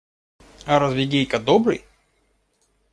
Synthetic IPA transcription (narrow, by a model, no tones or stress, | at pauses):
ɐɾɐzvʲɪɡʲejkɐd̪obɾɨ̰j